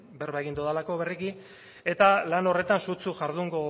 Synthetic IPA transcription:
be̞ɾβajɣind̪uðalako̞βeriɣi | e̞t̪alano̞re̞t̪ansut͡suʝaɾðuŋɡo̞

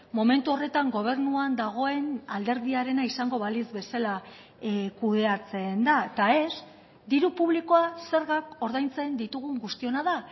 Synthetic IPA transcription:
mo̞me̞nt̪uo̞re̞t̪aŋɡo̞β̞e̞ɾnuand̪aɣ̞o̞e̞nald̪e̞ɾðiaɾe̞naisaŋɡo̞βalizβe̞sala | kuðe̞at͡se̞nd̪at̪ae̞s | d̪iɾupuβ̞liko̞ase̞ɾɣako̞ɾðajnt͡se̞nd̪it̪uɣuŋɡust̪io̞naða

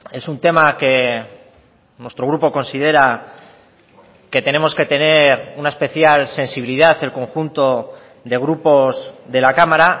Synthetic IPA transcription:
e̞sunt̪e̞make̞ | nwe̞st̪ɾo̞ɣ̞ɾupo̞ko̞nsið̞e̞ɾa | ke̞t̪e̞ne̞mo̞ske̞t̪e̞ne̞ɾunaespe̞θjalse̞nsiβiliðaθe̞lko̞ŋxunt̪o̞ | ðe̞ɣ̞ɾupo̞zðe̞lakamaɾa

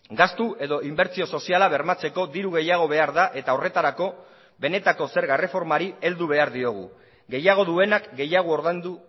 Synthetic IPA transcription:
ɡast̪ue̞ðo̞ʔimbe̞ɾt͡sio̞so̞sialaβe̞ɾmat͡se̞ko̞ðiɾuɣ̞e̞jaɣ̞o̞β̞e̞aɾðaʔe̞t̪ao̞re̞t̪aɾako̞ | be̞ne̞t̪ako̞se̞ɾɣaere̞fo̞ɾmaɾie̞ld̪uβ̞e̞aɾðio̞ɣ̞ṵ | ɣe̞jaɣ̞o̞ðue̞nakɡe̞jaɣ̞ooɾðend̪u

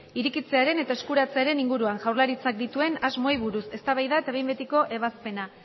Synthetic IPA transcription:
iɾikit͡se̞aɾe̞ne̞t̪ae̞skuɾat͡se̞aɾe̞niŋɡuɾuaŋʝawrlaɾit͡sak̚d̪it̪ue̞nazmo̞jβuɾuse̞st̪aβajðae̞t̪aβejmbet̪iko̞ʔe̞βaspe̞na

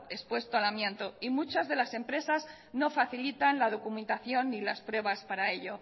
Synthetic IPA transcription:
e̞spwe̞st̪oalamjẽ̞nt̪o̞imut͡ʃazðe̞lase̞mpɾe̞saz | no̞faθilit̪anlað̞o̞kumẽ̞nt̪aθjo̞nːilaspɾwe̞β̞aspaɾae̞ʎo̞

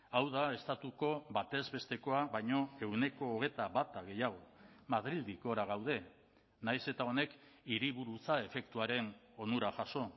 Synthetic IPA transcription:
awð̞ae̞st̪at̪uko̞βat̪e̞zβe̞st̪e̞ko̞aβajɲo̞e̞wne̞ko̞ːɣ̞e̞t̪aβat̪aɣe̞jaɣ̞o̞maðɾild̪iko̞ɾaɣ̞awð̞e̞ | najse̞t̪ao̞ne̞kiɾiβuɾut͡sae̞fe̞kt̪uaɾe̞no̞nuɾaʝaso̞

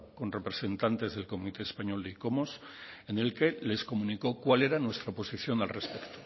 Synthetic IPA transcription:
ko̞nrepɾe̞se̞nt̪ant̪e̞zð̞e̞lko̞mit̪e̞ːspaɲo̞ld̪eiko̞mo̞s | ene̞lke̞le̞sko̞mũniko̞kwale̞ɾanwe̞st̪ɾaopo̞siθjo̞nalre̞spe̞kt̪o̥

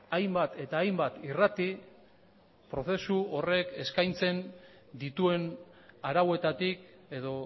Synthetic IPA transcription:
ajmbat̪e̞t̪aːjmbat̪irat̪i | pɾo̞θe̞suore̞ke̞skajnt͡se̞n | d̪it̪ue̞naɾawe̞t̪at̪ike̞ðo̞

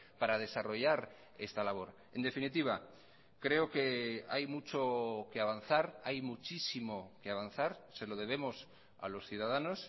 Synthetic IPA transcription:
paɾað̞e̞saro̞ʝaɾ | e̞st̪alaβ̞o̞ɾ | e̞nd̪e̞finit̪iβ̞a | kɾe̞oke̞ajmut͡ʃo̞keaβan̟θaɾajmut͡ʃisimo̞keaβ̞an̟θaɾse̞lo̞ð̞e̞β̞e̞mos | a̰lo̞sθjuðað̞ano̞s

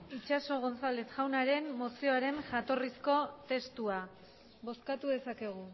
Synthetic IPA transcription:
it͡ʃaso̞ɣ̞o̞nt͡salet͡s̪ʝawnaɾe̞nːo̞sio̞aɾe̞nʝat̪o̞risko̞t̪e̞st̪ua | βo̞skat̪uðe̞sake̞ɣ̞u

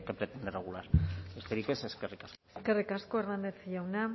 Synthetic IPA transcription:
kepɾet̪end̪ereɣ̞ulaɾest̪eɾikeseskerikaseskerikaskoernand̪e̞θʝawna

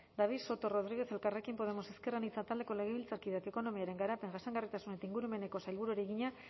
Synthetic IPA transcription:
d̪aβ̞iso̞t̪o̞ro̞ð̞ɾiɣ̞e̞θe̞lkare̞kimpo̞ð̞e̞mo̞se̞ske̞ranit͡sat̪ald̪e̞ko̞le̞ɣ̞eβilt͡saɾkiðake̞ko̞no̞miaɾe̞ŋɡaɾape̞ŋɡasaŋɡarit̪asune̞t̪aiŋɡuɾume̞ne̞ko̞sajlβuɾueɾiɣiɲa

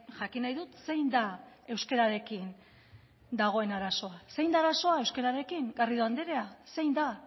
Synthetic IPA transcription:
ʝakinajðut̪se̞jnd̪a | e̞wske̞ɾaɾe̞kin | d̪aɣ̞o̞e̞naɾaso̞ase̞jnd̪aːɾaso̞ae̞wske̞ɾaɾe̞kiŋɡariðoand̪eɾe̞ase̞jnd̪a

